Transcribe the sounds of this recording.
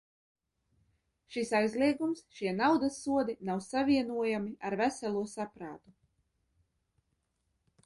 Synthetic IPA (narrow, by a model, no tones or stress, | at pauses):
ʃisajzlˠiɛɡumsʃiɛnawd̪asːuɔd̪inawsavʲiɛnuɔjamiʔaɾvæsɛlˠuɔsapɾa̰ːt̪u